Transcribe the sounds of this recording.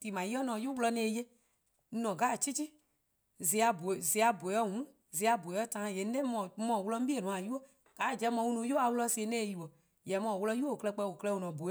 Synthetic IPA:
tiː˨mã˨ji˦ɔ˦nɔ̃˨˦ju˦wlɔ˧˦nɛ̃ː˧˦˨je˦ | nɔ̃˨ɡa˨˦˨t͡ʃi˦t͡ʃi˦ | zi˨˦a˨˧bo˨zi˨˦a˧bo˨˦ɔ˦ɦũ˨˦ | zi˨˦a˧bo˨ɔ˦tã˨˦jɛ˨˦n̩˦ɛ̃˦mɔ̃˧˨˦mɔ̃˧˨wu˦lɔ˧˦m̩˦i˦e˦˨nũ˨˦˨a˨ju˦o˦ | ɡ̥aː˨˦˨d͡ʒɛ˧˦mɔ̃˧˦wu˧nũ˧˦jo˦a˨wlɔ˧si˧e˧˦nɛ̃ː˦˨ji˨wɔ˨ | jɛ˨˦mɔ̃˧˨wlɔ˧˦ju˦o˦˨o˨klɛ˧k͡pɛ˧˦˨o˨klɛ˧˦˨o˨nɔ̃˨bo˨˦

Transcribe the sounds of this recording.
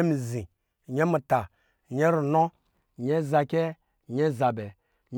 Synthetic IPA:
e˦mi˨zĩ˨ | ɲe˦mu˨ta˨ | ɲe˦ɾu˨no˦˨ | ɲe˦za˨kʲe˦˨ | ɲe˦za˨bɛ˨ | ɲ

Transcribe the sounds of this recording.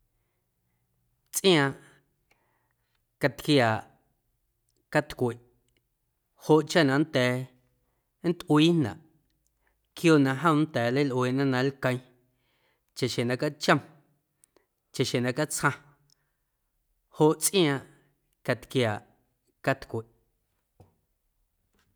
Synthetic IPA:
t͡sʼʔj̃ãː˧ʔ | ka˧t̪kjaː˨ʔ | ka˧t̪kʷe˨ʔ | ho˧ʔt͡ʃa˦nã˧ʔn˦t̪ɛː˨˦ | n̩˦t̪ʔwiː˦nnã̰˨ʔ | kjoː˦nã˧ʔɦə̃˦˧˦n˦t̪ɛː˨lə˦jlʔweː˨ʔnã˦nã˧lkə̃˧j̃ | t͡ʃa˨ʃẽ˨nã˧ka˦t͡ʃə̃˦˧m | t͡ʃa˨ʃẽ˨nã˧ka˦t͡shã˧ | ho˧ʔt͡sʔj̃ãː˧ʔ | ka˧t̪kjaː˨ʔ | ka˦t̪kʷe˨ʔ

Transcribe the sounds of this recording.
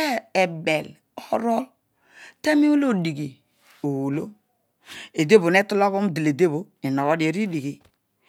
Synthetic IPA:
e˦e˨be˨l | ɔ˦ɾɔ˦ | te˦mi˦u˦lo˦˨di˨ɡi˨ | o˨wo˨lo˦ | e˨de˦bo˨ne˦tu˦lo˦βo˦m˦di˨le˨de˦bo˨˦ | e˨no˨ɣo˦di˨e˨ɾi˦di˨ɡi˨

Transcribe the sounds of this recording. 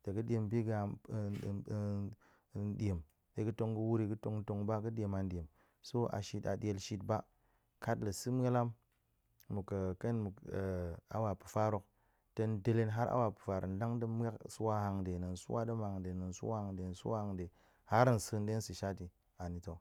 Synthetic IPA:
te˨ɡɨ˦ɗe˨mbi˦ɡ | de˨m | e˨kɨ˦to˧ŋɡu˦wu˦ɾi˧kɨ˦to˧ŋ˦to˧ŋba˦kɨ˦ɗʲe˨ma˨n˦dʲe˨m | so˦a̰˨ʃi˦ta̰˨ɗe˧˨lʃi˦tba˦ | ka˦tlə˨si˦m˦e˦la˦m | mu˨kə˨ke˦nmu˨ | a̰˨wa˨pu̥˨fa˦ɾo˧k̚ | te˧n˦de˧le˦nɦa˦ɾa̰˦wa˨pɨ̥˨fa˨ɾə̰˨n˨˦da˦ŋdə˦m˦a˦ksu˦wa˦ha˧ŋde˨nɨ˨nsṵ˦wa˦də˦ma˨ŋde˨nɨ˨nsṵ˦wa˦ha˨ŋde˨n˨su˦wa˦ha˧ŋde˨ | ha˦ɾɨ˦n˨sɨ˦˨˦n˦de˦n˦si˨ʃa˦ti˨ | a˨ni˨to˨

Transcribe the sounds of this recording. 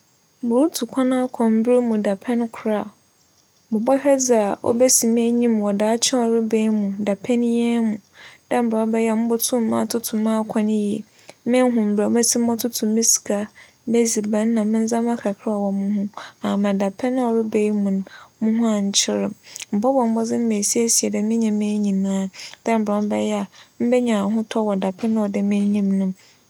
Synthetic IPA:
mʊ̃˨ɾu˦tʰu˨kʷʰã˦nã˦a˦kʰɔ̃˨m̩˦bɾe˦mũ˨da˨pʰɛ̃˦n˦kʰʊ˨ɾa˦˨ | mʊ̃˨bɔ˦hᶣɛ˦d͡za˨ɔ̰˦bɛ˦si˨m˦ɛ˦ɲĩ˦m˨wɔ˨daː˨˦t͡ɕʰɛ˦ɔ˨ɾɪ˦be˦jmũ˨da˨pʰɛ˦n˦jɛ˦mũ˨dã˦m̩˦bɔ˦bɛ˦jɛ˦mʊ̃˦bʊ˦tʰʊ̃˦m˦mã˦˨tʰʊ˦tʰʊ̃˨mː˦ã˦˨kʰã˦ñ˦ji˨ | mɪ̃˦ɦʊ̃˨m̩˨ba˨˦mɛ˦sʰi˦m̩˦ɔ̃˦tʰʊ˦tʰʊ̃˨mːɪ̃˦si̥˨kʰa˨˦ | bɛ˦zi˨bã˨n˦nã˨mɪ̃˦n̩˦zã˦mã˦kʰɾa˨kʰɪ˦ɔ˨wɔ˨mũ˦hʊ̃˦a˨mã˨da˨pʰɛ˦nʊ̃˦ɔ˨ɾɪ˦be˦ji˦mũ˨nmũ˦ɦũ˦a˨ɲ̩˦t͡ɕʰɪ˦ɾɪ˨mm̩˨pɔ˦bɔ̃˨m̩˦bɔ˦d͡zɪ˦m̩˦me˨si˦e˦si˨ɛ˨dɛ˨mɪ̃˦ɲã˨mẽ˦ɲĩ˨nãː˦d̥ɛ̃˦m̩˨bɔ˨˦m˦bɛ˦jɛ˦a˨m̩˦bɛ˦ɲã˨ɦʊ̃˦tʰɔ˦wɔ˨da˨pʰɛ˦nã˦ɔ˨dɛ˨mɪ̃˦ɲĩ˦mnʊ̃˦m

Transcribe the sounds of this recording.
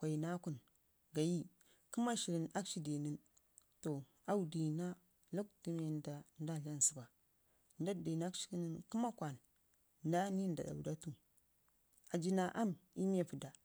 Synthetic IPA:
kʷa˨i˨na˦ku˨n | ɡa˨ji˦ | ku˦ma˦ʃi˨ɾi˨na˦kʃi˦de˨ni˦n | to˨ | a˨u˨di˨na˦ | lu˦kti˦me˨nda˨n˦da˦˨ɬa˦n˨si˨ba˨ | nda˦˨de˨n˦a˦kt͡ʃi̥˦ki˦nə˦nku˦ma˦kʷa˨n | nda˦ni˦n˨da̰˨ɗa̰˨wda˦tu˨ | a˨d͡ʒi˦na˨ʔa˦mi˦m˦e˦˨pu˨da˨

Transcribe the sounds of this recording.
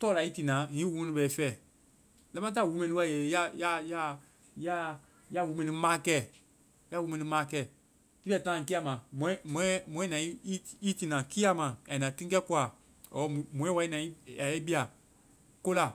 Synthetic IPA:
tɔː˦la˨i˦ti˧˨nãː˨˦ŋĩ˦wu˧mɛ̃˧nĩ˧bɛː˨˦fɛː˦˨ | lɛ̃˨˦mã˦t̬a˦˨wu˨˦mɛ̃˧nĩ˧wa˨je˨˦ja˦ja˦ja˦ | ja˦ | ja˦wu˨˦mɛ̃˧nĩ˧mãː˦kɛː˦˨ | ja˦wu˨˧mɛ̃˨nĩ˧˦mãː˦kɛː˦˨ | ti˦bɛ˧˨tãː˦˨ki˦a˧˨mã˨mɔ̃˨˦m̃˨ɛ̃˦mɔ̃˨ɛ̃˦nã˨i˦i˦ti˨nã˨ki˦a˦mã˨ja˨i˨nã˨tĩ˦kɛ˦ku˦a˨ | ɔ˨˦˨mɔ̃˨˦ɛ̃˦wa˧˦i˦nã˨i˦ja˨ɛ˦bi˦a˨ | ko˦la˨

